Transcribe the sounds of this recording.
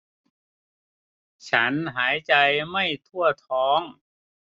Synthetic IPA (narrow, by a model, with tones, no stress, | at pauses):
t͡ɕʰa˦˥nɦaː˩˦jt͡ɕa˧jma˥˩jt̪ʰu˥˩ɐt̪ʰɔː˨˦˥ŋ